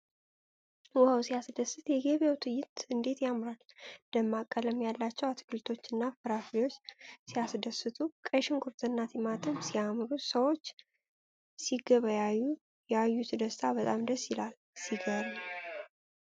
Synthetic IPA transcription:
wəhəwsijasd̪əsɨt̪jɛɡeβjawt̪ʰɨjːɪt̪ɨnd̪e̞t̪jamɾal | d̪əmːakʼːələmjalːat͡ʃːɛwat̪ʰkʰɨlt̪ʰo̞t͡ʃːɨnːafɨɾafjo̞t͡ʃːsijasd̪əsɨt̪ʰukʼəʃɪŋkʰuɾt̪ʰʼɨnːat̪ʰimat̪ʰɨmsijamɾusəwo̞t͡ʃː | siɡəβajaju | jɛajːusɨd̪əst̪ʰabət̪ʼamd̪əsjɪlal | siɡəɾ

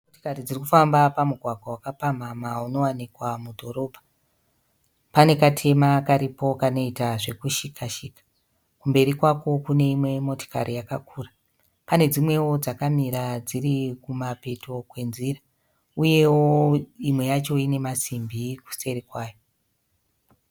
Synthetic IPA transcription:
moto̥karid͡zirikufambapamuɡʱwaɡʱwawakapamamauno̞wanikwamudʱo̞ɾo̞ːbʱa | pane̞katʰe̞makaɾipo̞kano̞itaʐe̞kuʃikʰaʃikḁ | kumbe̞ɾikwako̞kune̞imwe̞mo̞to̥ka̰ɾijakakʰuːra | pane̞d͡zimwe̞wo̞d͡zakamiɾad͡zirikumape̞tʰo̞kwe̞nzira | uje̞woimwe̞jat͡ʃo̞ine̞masimbiku̥se̞ɾikwaːjo

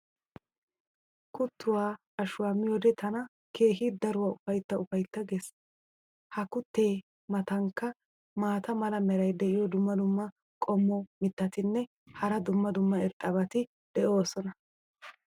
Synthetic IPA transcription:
kʊt̪ːʊwaː | ɐʃʊwaːmːɪjɔd̪ɛt̪ʰɐnɐ | kʰe̞ːɦɪd̪ɐɾʊwaːʊfɐjt̪ːɐʊfɐjt̪ːɐɡɛs | hɐkʊt̪ːe̞ː | mɐt̪ɐŋkːɐ | maːt̪ɐmɐlɐmɛɾɐjd̪ɛʔɪjɔd̪ʊmːɐd̪ʊmːɐ | kʼɔmːɔmɪt̪ːɐt̪ɪnːɛ | hɐɾɐd̪ʊmːɐd̪ʊmːɐɪɾt̪ʼːɐbɐt̪ɪ | d̪̥ɛʔo̞ːsɔnɐ

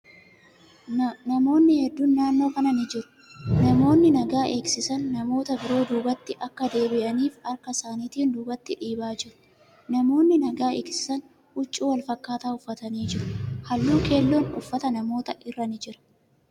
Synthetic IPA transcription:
nɐmo̞ːnːɪhɛd̪ːuːnːaːnːo̞ːkɐnɐnɪd͡ʒɪɾʊ̥ | nɐmo̞ːnːɪnɐɡaːʔe̞ːksɪsɐnːɐmo̞ːt̪ɐbɪɾo̞ːd̪uːbɐt̪ːɪʔɐkːɐd̪e̞ːbɪʔɐniːfɐɾkɐsaːniːt̪iːnd̪uːbɐt̪ːɪᶑiːbaːd͡ʒɪɾʊ̥ | nɐmo̞ːnːɪnɐɡaːḛːksɪ̥sɐn | ʊt͡ʃʼːuːwɐlfɐkːaːt̪aːʊfːɐt̪ɐniːd͡ʒɪɾʊhɐlːuːkʰe̞ːlːo̞ːnʊfːɐt̪ɐnɐmo̞ːt̪ɐʔɪrːɐnɪd͡ʒɪɾɐ̥

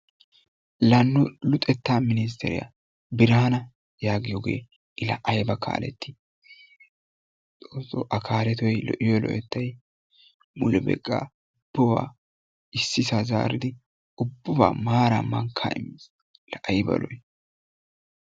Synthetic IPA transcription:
lɐnːʊlʊt̪ʼɛt̪ːaːmɪnɪs̬t̪ʰɛɾɪ̰ja̰ | bɪɾaːnɐ | jaːɡɪjoːɡḛː | ɪlɐʔɐjbɐkʰa̰ːlɛ̰t̪ʰːɪ | t͡sʼoːsːɔ̰ʔɐkʰaːlɛt̪ɔjlɔ̰ʔɪjɔlɔ̰ʔɛt̪ːɐj | mʊlɛbɛ̰kʼːa̰ː | ʊb̥ːɐwa̰ː | ɪsːɪsaza̰ːɾɪd̪ɪ | ʊbːʊba̰ːmaːɾamɐŋkʰa̰ːʔɪmːis | lɐʔɐjbɐ̰lɔj

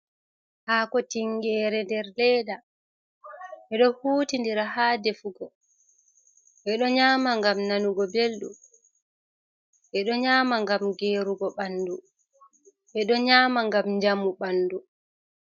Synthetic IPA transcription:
haːkɔtiŋɡɛːɾɛndɛɾlɛːda | ʔɛɗɔhuːtindiɾaɦaːdefuɡɔ | ʔɛɗɔɲaːmaŋɡamnanuɡɔbelɗum | ʔɛɗɔɲaːmaŋɡamɡeːɾuɡɔɓanːdu | ʔɛɗɔɲaːmaŋɡamd͡ʒamuɓanːdu

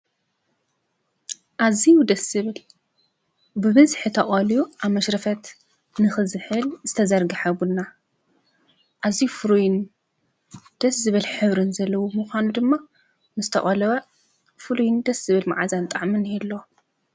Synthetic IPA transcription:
ʔazijud̪ɐsɨβɨl | bɨβɨzħɨt̪ʰɐʔʼɐlijuʔaβmɐʃɾɐfɐt̪ | nɨxɨzɨħɨlzɨt̪ʰɐzɐɾɡɨħaβunːa | ʔazijufɨɾujɪn | d̪̥ɐszɨβɨlħɨβɾɨnzɐlːɐwomuxʷanud̪ɨmːa | mɨst̪ʰɐχʼɐlwɐ | fɨlujɪnd̪ɐsɨβɨlma̰ʕazant̪ʼaʕmɨnjilːo̞

